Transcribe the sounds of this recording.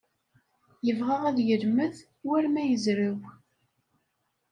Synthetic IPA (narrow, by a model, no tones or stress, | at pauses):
jəvʁaʁæðjəlməð | wæɾmæjəzɾəw